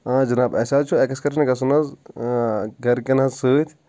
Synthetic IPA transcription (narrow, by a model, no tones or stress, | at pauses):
ãːd͡ʒɐnaːbɐsaːt͡ʃʰuɛkɐskɐɾnɡɐs̬unɐz | ɡɐɾkɐnɐzsəːt̪ʲʰ